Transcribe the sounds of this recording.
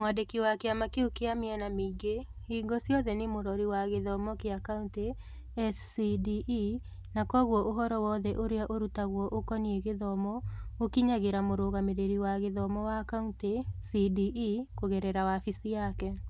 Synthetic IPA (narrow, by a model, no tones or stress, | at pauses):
mwadekiwakeamakeukeameɛnameɡeiɡɔsjɔðɛnemoɾɔɾiwaɣeðɔmɔkeakaunte | ɛssidiʔ | nakɔɣwɔʔoɦɔɾɔwɔðɛʔoɾeaʔoɾutaɣwɔʔokɔniɛɣeðɔmɔokiɲaɣeɾamoɾoɣameɾeɾiwaɣeðɔmɔwakauntesidiʔikoɣɛɾɛɾawafisijakɛ